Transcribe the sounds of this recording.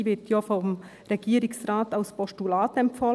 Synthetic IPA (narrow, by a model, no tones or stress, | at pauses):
vɪtʰjaːfɔmʁeɡ̥iːɾɪsʁaːtalspɔstulaːtɛmpfɔ